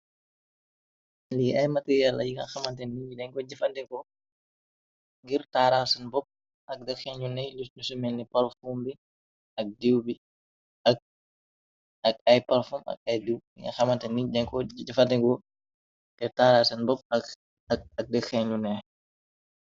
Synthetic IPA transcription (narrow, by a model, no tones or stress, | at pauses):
liɐjmɐtijalːɐjiŋɐxɐmɐntɛnidɛŋkɔd͡ʒɐfɐntɛŋkɔ | ŋɡiɾtaːɾasɐnbɔp̚ | ʔɐk̚dɛkxɛɲunɛjlilusumɛnːipɐlfuːmbi | ɐk̚diwbi | ɐk̚ | ɐk̚ɐjpɐlfumɐ̰k̚ɐjdiwjiŋɡɐ̰xɐmɐntɛnːidɛŋkɔɟɐfɐntɛŋkɔ | ɡɛrtaːɾasɐnbɔp̚ɐ | ɐk̚dɐkxɛɲunɛ